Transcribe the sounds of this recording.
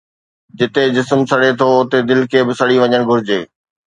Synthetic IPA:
d͡ʑɪt̪ed͡ʑɪsmsɐɽet̪ʰoʊt̪ed̪ɪlkʰeːbɪsɐɽiʋɐɲəɽ̃ɡʱʊɾɪd͡ʑeː

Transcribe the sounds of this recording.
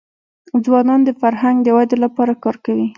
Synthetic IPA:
d͡zwɑnɑnd̪əfaɾɦaŋɡd̪əwad̪elapɑɾakɑɾkawi

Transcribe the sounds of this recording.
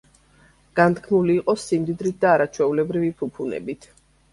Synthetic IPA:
ɡ̥ant̪kʰmuliːqʼɔsimd̪id̪ɾit̪̚d̪aːɾat͡ʃʰwɛulɛbɾivipʰupʰunɛ̰bit̪ʰ

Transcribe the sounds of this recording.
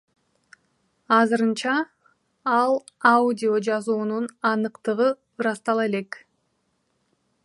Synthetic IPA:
ɑzɯɾɯnt͡ʃɑ | ɑlˠ | audʲio̞d͡ʒɑzuːnunɑnɯqt̪ɯʁɯ | ɾɑst̪ɑlˠe̞le̞k

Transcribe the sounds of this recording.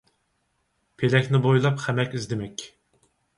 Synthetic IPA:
pʰelɛkʲnɪbojlˠɑpχæmɛkʲizd̪ɪmɛkʲ

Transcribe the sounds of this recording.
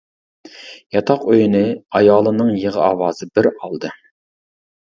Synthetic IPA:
jɑt̪ʰɑqøjnɨɑjɑːlˠɨnɨŋjeʁəɑːwɑːz̥ɨbɪɾɑlˠd̪ɨ

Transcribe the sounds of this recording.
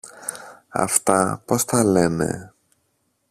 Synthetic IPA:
ɐ̰ft̪ɐpo̞st̪ɐle̞ne̞̰

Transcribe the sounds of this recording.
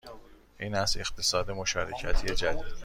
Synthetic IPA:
ʔiːnæst̪ext̪ʰesɒːd̪e̞mo̞ʃɒːɾḛcʰæt̪ʰied͡ʒæd̪iːd̪

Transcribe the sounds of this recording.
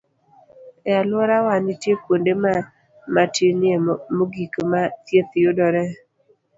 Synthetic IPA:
ɛalwɔɾawanitjepwondema | matʰinɪemoɡikmat̪jet̪jodɔɾɛ

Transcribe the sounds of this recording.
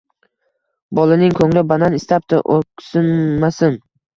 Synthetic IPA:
bɒlˠɪnɪŋkʰɵŋlɪbananɪst̪ap̚t̪ɪʔokʲsɪnːasɪn

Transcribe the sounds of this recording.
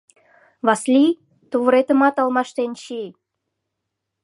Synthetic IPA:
βɑslʲi | t̪uβəɾet̪ə̆mɑt̪ɑlmɑʃt̪enʃi

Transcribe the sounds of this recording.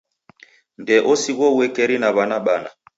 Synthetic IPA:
ndɛʔosiɣɔwɛkɛɾinaβanaɓana̰

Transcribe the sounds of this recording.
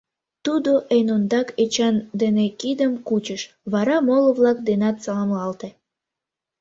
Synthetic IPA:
t̪ud̪oʔenond̪ɑket͡ɕɑnd̪enekid̪əmkut͡ɕəʃ | βɑɾɑmoloβlɑk̚d̪enɑt̪sɑlɑmlɑlt̪e

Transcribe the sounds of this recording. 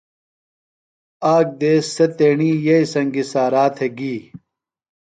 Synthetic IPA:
aːk̚d̪eːsːet̪eːɳiːjɐisɐŋɡisaːɾaːt̪ʰeɡiː

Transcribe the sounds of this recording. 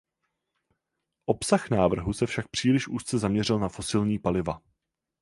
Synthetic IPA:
ʔo̞psaxnaːvr̩ɦusɛfʃak̚pr̝̥iːlɪʃʔuːst̪t͡sɛzamɲɛrɪlnafo̞sɪlɲiːpalɪva

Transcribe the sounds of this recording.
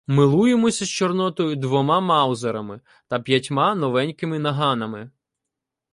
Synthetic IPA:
mɪlˠujemɔsʲɐst͡ʃɔrnɔt̪ɔjʊd̪ʋɔmɑmɑwzɐɾɐmɪ | t̪ɐpʲjɐtʲmɑnɔʋɛnʲkɪmɪnɐɦɑnɐmɪ

